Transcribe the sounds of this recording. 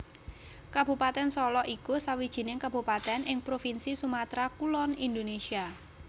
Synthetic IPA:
kab̥ṳpat̪ɛnsɔlɔʔikusawid̥ʒ̥i̤nɪŋkab̥ṳpat̪ɛnʔɪŋpɾofinsisumat̪ɾakulɔnind̪onesia

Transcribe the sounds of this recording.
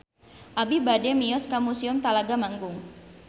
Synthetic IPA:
ʔabibadɛmijɔskamusiʊmt̪alaɡamaŋɡʊŋ

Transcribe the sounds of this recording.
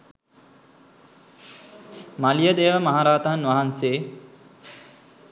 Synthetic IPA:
malijəd̪ejːʋəmaɦaɾaːt̪ɐɦanʋaɦanseː

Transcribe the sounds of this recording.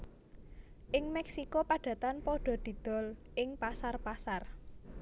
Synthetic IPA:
ʔɪŋmɛksikopaɖ̥ä̤t̪anpɔɖ̥ɔ̤d̪̥i̤d̪̥ɔ̤lʔɪŋpasarpasar

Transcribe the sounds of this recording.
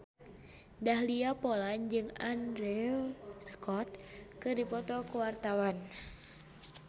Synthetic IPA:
dahliapɔland͡ʒɨŋandɾɛskɔt̪̚kɨdipɔt̪ɔkuwart̪awan

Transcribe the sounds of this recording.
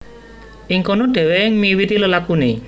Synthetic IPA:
ʔiŋkonoɖ̪̥ɛ̤weŋmiwit̪iləlakune

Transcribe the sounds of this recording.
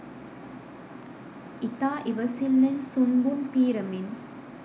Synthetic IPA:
ʔɪt̪aːʔɪʋɐsɪlːɐnsʊmbumpiːɾɐmɪn

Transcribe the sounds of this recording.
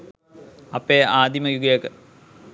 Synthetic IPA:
ɐpːeaːd̪imɐjuɡjekɨ

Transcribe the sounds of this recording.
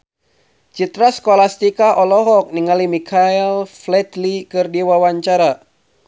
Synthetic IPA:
t͡ʃit̪ɾaskɔlast̪ikaʔɔlɔɦɔk̚niŋalimikʰaɛlflɛt̪likɨrdiwawaɲt͡ʃaɾa

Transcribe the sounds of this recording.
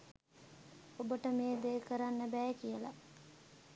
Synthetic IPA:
obəʈəmeːd̪eːkəɾanːəbæːkijəla̰

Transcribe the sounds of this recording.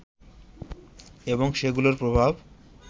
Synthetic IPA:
eboŋʃeɡuloɾpɾobʱab

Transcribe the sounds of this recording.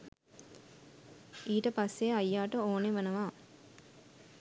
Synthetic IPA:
iːʈəpɐsːeɐjːaːʈəoːneʋɐnəʋaː

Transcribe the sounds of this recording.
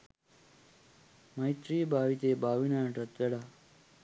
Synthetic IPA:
məjt̪ɾiːbʱaːʋit̪ebaːʋinaʈət̪ʋeɽaː

